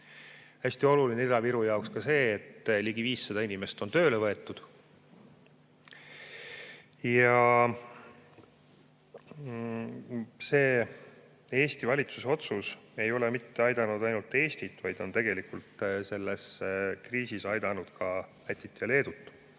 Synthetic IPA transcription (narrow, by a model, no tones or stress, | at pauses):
hæsʲt̪io̞lulineid̪ɑviɾujɑokskɑse̞ːt̪ːliɡ̥iviːsːɑd̪̥ɑinime̞st̪o̞nt̪ø̞ːlevɤe̞t̪ːˑud̪̥ | jɑ | se̞ː | e̞ːst̪ivɑlʲit̪suseo̞t̪suse̞jo̞lɛmit̪ːeɑjd̪ɑnud̪ɑjnult̪ːe̞ːst̪it̪ːˑvɑjd̪̥o̞nt̪e̞ɡe̞likult̪se̞lːeskriːsisɑjd̪ɑnud̪̥kɑ | æt̪ʲːit̪ːjɑle̞ːd̪̥ut̪ˑː